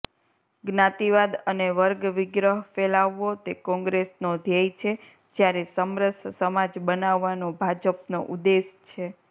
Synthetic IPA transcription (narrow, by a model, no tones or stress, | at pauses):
ɡnat̪iʋad̪əneʋəɾɡʋɪɡɾəɦfelaʋːot̪ekɔ̃ŋɡɾesnod̪ʱjəjt͡ʃʰe | d͡ʒjaɾesəmɾəssəmad͡ʒbənaʋːanobʱad͡ʒəpnoʔud̪eʃt͡ʃʰe